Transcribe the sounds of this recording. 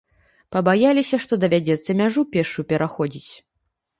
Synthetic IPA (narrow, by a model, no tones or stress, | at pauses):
pɐbajalʲisʲɐʂt̪ɔd̪ɐvʲad͡zʲɛt̪sːɐmʲaʐupʲɛʂupʲɛɾʔaxɔd͡zʲit͡sʲ